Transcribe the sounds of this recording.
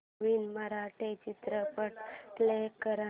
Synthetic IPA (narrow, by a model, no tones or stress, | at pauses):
ʋinməɾaʈʰet͡ɕit̪ɾəpəʈlekəɾa